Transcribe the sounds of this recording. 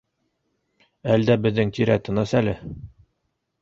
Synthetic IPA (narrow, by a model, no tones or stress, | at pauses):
æld̪æbɘ̆ðːɘŋt̪iɾæt̪ɤ̆nɑsælɘ